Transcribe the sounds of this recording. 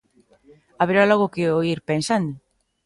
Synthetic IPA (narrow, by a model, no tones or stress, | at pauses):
aβeɾalɔɣʊkɪoiɾpensand̪ʊ